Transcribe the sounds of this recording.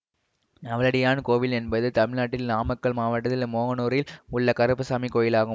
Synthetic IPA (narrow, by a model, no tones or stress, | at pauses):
ɐʋɐlɐɽɪjaːnkoːʋɪlɛnbɐðɯt̪ɐmɪɭnaːʈːɪlnaːmɐkːɐɭmaːʋɐʈːɐðɪlmoːɣɐnoːɾɪlʊɭːɐkɐɾɯpːɯsaːmikoːjɪlaːɣɯ